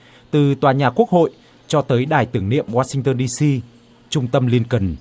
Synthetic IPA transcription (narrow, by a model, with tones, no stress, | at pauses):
t̪ɨ˨˩t̪waː˨˩ɲaː˨˩ku˦˥ək̚ho̰˧˨j | t͡ɕɔ˧t̪əː˨˦jɗaː˧˩jt̪ɨ˧˩əŋnḭ˧˨əmwaː˧sï˧ŋ̟t̪əː˧nɗi˧si˧ | t͡ɕʊ˧ŋ͡mt̪ə˧mli˧ənkə˨˩n